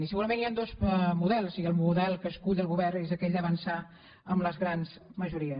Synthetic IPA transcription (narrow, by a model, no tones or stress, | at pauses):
nisəɣuɾəmẽniand̪osmuðɛlˠsiəlˠmuðɛlˠkəskuʎəlˠɣuβɛrnezəkɛʎd̪əβənsa | əmləzɣɾanzməʒuɾiə